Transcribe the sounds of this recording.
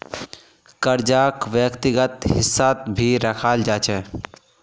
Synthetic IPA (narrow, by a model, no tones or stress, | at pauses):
kəɾd͡ʒakʋjəkt̪iɡət̪ɦɪsːat̪bʱiɾəkʰald͡ʒat͡ʃʰɛ